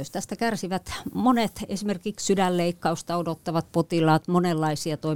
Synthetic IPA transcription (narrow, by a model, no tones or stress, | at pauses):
øst̪æst̪ækærsiʋæt̪monet̪esimerkikssydælleikːɑust̪ɑodot̪ːɑʋɑt̪̚pot̪ilɑːt̪monelːɑisiɑt̪oi